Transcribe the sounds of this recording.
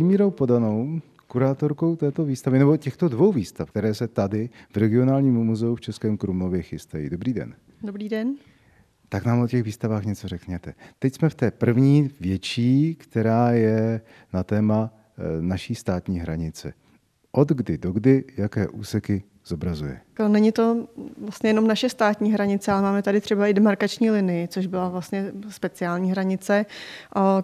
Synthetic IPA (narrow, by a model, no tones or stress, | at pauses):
imiːɾo̞wpo̞dano̞w | kuɾaːt̪o̞ɾko̞wt̪ɛːt̪o̞viːst̪avɪnɛbo̞cɛxt̪o̞dvo̞wviːst̪afkt̪ɛɾɛːsɛt̪adɪvɾɛɡɪo̞naːlɲiːmumuzɛuft͡ʃɛskɛːmkɾumo̞vjɛxɪst̪ajḭːdo̞bɾiːdɛ̰n | dobɾiːdɛn | t̪aknaːmʔo̞cɛɣviːst̪avaːxɲɛt͡so̞rɛkɲɛt̪ɛt̪ɛcsmɛft̪ɛːpr̩vɲiːvjɛt͡ʃiːkt̪ɛɾaːjɛ | nat̪ɛːma | naʃiːst̪aːt̪ɲiːɦɾaɲɪt͡sɛ | ʔod̪ɡdɪdoɡdɪjakɛːʔuːsɛkɪ | z̥obɾazujɛ̰nɛɲɪt̪o̞vlast̪ɲɛjɛnomnaʃɛst̪aːt̪ɲiːɦɾaɲɪt͡sɛʔalɛmaːmɛt̪adɪt̪r̥ɛbaʔɪdɛmaɾkat͡ʃɲiːlɪnɪjɪt͡soʒbɪlavlast̪ɲɛspɛt͡sɪaːlɲiːɦɾaɲɪt͡sɛʔa